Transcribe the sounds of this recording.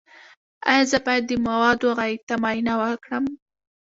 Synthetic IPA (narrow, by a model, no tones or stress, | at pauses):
a̰jɑzəbɑjad̪ːəmawɑd̪oɣɑit̪amɑjinawəkɽəm